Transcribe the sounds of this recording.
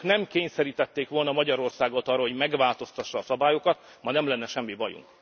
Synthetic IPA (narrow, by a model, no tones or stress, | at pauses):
knɛmkeːɲsɛɾiːt̪ɛt̪ːeːkʋo̞lnɒmɒɟɒɾo̞rsaːɡot̪ɒrːɒɦoɟmɛɡʋaːlt̪o̞st̪ɒʃːɒːsɒbaːjokɒt̪ | mɒnɛmlɛnːɛʃɛmːivɒjṵŋk